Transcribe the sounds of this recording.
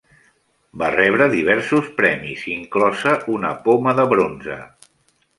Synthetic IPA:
barɛβ̞ɾəðiβ̞ɛɾsuspɾɛmiziŋklɔsəunəpoməðəβɾonzə̰

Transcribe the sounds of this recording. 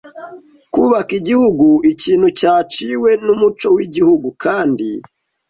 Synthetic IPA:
kuβakiɟihuɡuiciːnhucaːt͡ʃiwe̞numut͡ʃo̞wiɟihuɡukʰaːndḭ

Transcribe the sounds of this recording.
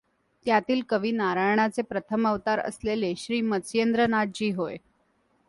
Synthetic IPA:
t̪jat̪iːlkəʋiːnaɾajɳ̃at͡sepɾət̪ʰəməʋt̪aɾə̰sleleɕɾiːmət͡sjend̪ɾənaɖ̚d͡ʑiːɦoj

